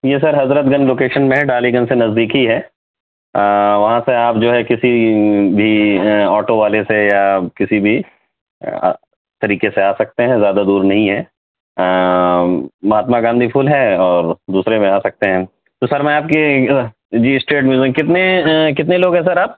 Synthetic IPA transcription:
jeːs̬ɐɾɦɐzɾət̪ɡɐ̃nloːkeːʃənmẽɖaːliɡə̃nsenɐzd̪iːkɦiɦɛː | ʋɐɦãseaːp̚d͡ʒoːɦɛkɪsibʱiɔːʈoʋaːlesejakɪsibʱḭ | t̪ɐɾiːkeseaːsɐk̚t̪eɦɛ̃zjaːd̪ad̪uːɾnɐɦĩɦɛː | mɐɦaːt̪maɡãːnd̪ʱipʰuːlɦɛɔːɾd̪uːsɾemẽaːsɐk̚t̪eɦɛ̃ | t̪osɐɾmɛ̃aːp̚ke | d͡ʒiːɪsʈɾeːʈmjuːzɪkkɪt̪nek̬ɪt̪̬neloːɡɦɛ̃s̬ɐɾaːp̚

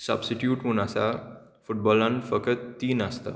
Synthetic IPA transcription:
sə̰bsiʈjuːʈmuːnasa | fuʈ̚bɔlãnfəkət̪ːiːnast̪a̰

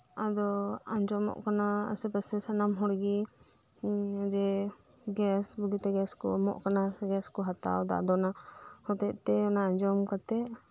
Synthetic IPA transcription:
ad̪ɔaɲd͡ʒɔmɔ̰ʔkanaə̰sɛpəsɛsanamɦɔɽɡi | ad͡ʒɛ | ɡɛsbəɡit̪ɛɡɛskɔ̰mɔ̰ʔkanaɡɛskɔɦat̪a̰wd̪a̰ʔd̪ɔnahɔt̪ɛʔ̚t̪ɛɔnaaɲd͡ʒɔmkat̪ɛ

